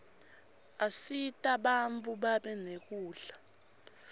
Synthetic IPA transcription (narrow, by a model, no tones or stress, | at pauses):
asitʼaɓaɱt͡fuɓaɓɛnek̬uːɮa